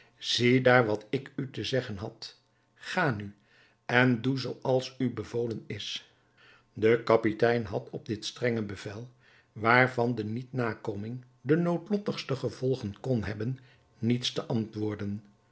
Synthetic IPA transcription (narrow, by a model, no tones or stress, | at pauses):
z̥idaːɹʋɑtɪkytəzɛχənɦɑt | χaːny | ɛnduzowʔɑlˠsybəvowlənɪs | dəkɑpitɛjnɦɑtʰɔb̚dɪtstrɛŋəbəvɛlˠ | ʋaːɹvɑndənitnaːkowmɪŋ | dənowtlɔtəχstəχəv̥ɔlˠχənkɔnɦɛbənː | itstəʔɑntʋʊːɹdən